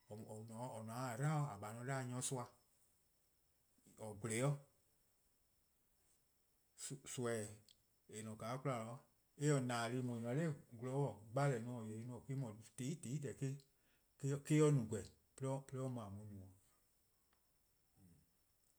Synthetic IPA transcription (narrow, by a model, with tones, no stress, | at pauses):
ɔ˨ɔ˨nɔ̃˨˦ɔ˨nũ˨ã˨˦a˨ɾã˦ɔ˦a˨ɓa˨nɔ̃˧˦daː˦˨ɲɔ̃˧˦su˦˧a˧˨ | ɔ˨ɡle˨˦ɔ˦ | ssu˧ɛ˨ | e˨nɔ̃˨kaː˨˦ku˦la˨lɔ˧˦ | e˦ɔ˨nãː˨li˨˧˦mɔ̃˨i˨n˨ã˨˦le˦˨ɡu˧lɔ˧˦ɔ˦˨ɡ͡ba˦lɛ˨˦nũ˧ɔ˨je˨ɾi˧nũ˧˦ɔ˨ke˦mɔ̃˨te˨˦i˦te˨i˦dɛ˨ke˦ | kːke˦ɔ˧˦nũ˨ɡʷɛ˨ | pe˧lɔ˦pe˧le˦ɔ˦mɔ̃˨ã˨mũ˧˦nũ˨ɔ̃˨